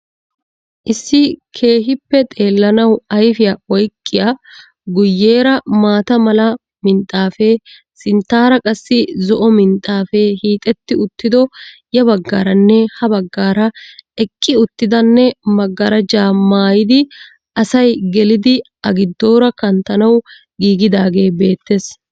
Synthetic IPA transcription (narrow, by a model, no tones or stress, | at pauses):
ʔɪsːɪkʰe̞ːɦɪpːɛt̪ʼe̞ːlːɐnɐwɐjfɪjaɔjkʼːɪja | ɡʊjːe̞ːɾɐmaːt̪ɐmɐlɐ | mɪnt̪ʼːaːfɛ | sɪnt̪ːaːɾɐkʼɐsːɪzɔʔɔmɪnt̪ʼːaːfɛhiːt̪ʼɛt̪ːɪʊt̪ːɪd̪ɔjɐbɐɡːaːɾɐnːɛhɐbɐɡːaːɾɐɛkʼːɪʊt̪ːɪd̪ɐnːɛmɐɡːɐɾɐd͡ʒaːmaːjɪd̪ɪ | ʔɐsɐjɡɛlɪd̪ɪ | ɐɡɪd̪ːo̞ːɾɐkɐnt̪ɐnɐw | ɡiːɡɪd̪aːɡe̞ːbe̞ːt̪ːes